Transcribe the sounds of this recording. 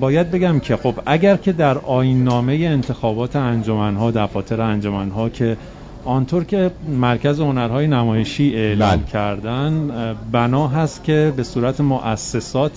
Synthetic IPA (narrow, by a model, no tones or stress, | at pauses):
bɒːjæd̪̚be̞ɡæmcʰe̞xo̞bæɡɟæɾcʰe̞d̪æɾʔɒːjinːɒːme̞je̞ːnt̪ʰe̞xɒːbɒːt̪ʰeænd͡ʒo̞mænɦɒːd̪æɾfɒːt̪ʰe̞ɾeænd͡ʒo̞mænɦɒːcʰe̞ | ɒnt̪ʰoɾcʰe̞mæɾcʰæzeho̞næɾɦɒːje̞næmɒːjeʃiːe̞ʔlɒmcʰæɾd̪ænbænɒːɦæst̪cʲʰe̞be̞suːɾæt̪ʰemoʔæsːe̞sɒːt̪ʰ